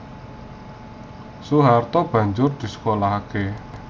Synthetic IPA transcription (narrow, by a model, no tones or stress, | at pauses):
suɦart̪ɔb̥ä̤ɲd͡ʒʊrd̪̥i̤sə̥kolaɦake